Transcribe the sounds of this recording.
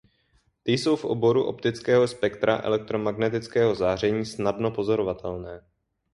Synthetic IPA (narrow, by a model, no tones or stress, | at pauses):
t̪ɪjso̞wfʔo̰bo̞ɾuʔo̞̰pt̪ɪt͡skɛːɦo̞spɛkt̪ɾa̰ʔɛ̰lɛk̚t̪ɾo̞maɡnɛt̪ɪt͡skɛːɦo̞zaːr̝ɛɲiːsnadno̞po̞zo̞ɾo̞vat̪ʰɛlnɛː